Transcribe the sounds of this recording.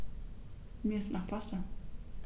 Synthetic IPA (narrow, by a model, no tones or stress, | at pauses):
miːɐɪstnaχpʰasta